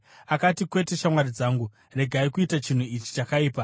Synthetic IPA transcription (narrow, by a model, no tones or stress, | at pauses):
akatikwe̞te̞ʃamwarid͡zaːŋɡu | re̞ɡʱaikuitat͡ʃin̤uit͡ʃi̥t͡ʃakaiːpa